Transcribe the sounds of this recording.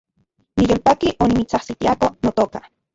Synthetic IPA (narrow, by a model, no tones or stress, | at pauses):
nijoːlpakiʔonimit͡sahsit̪iakonot̪oːka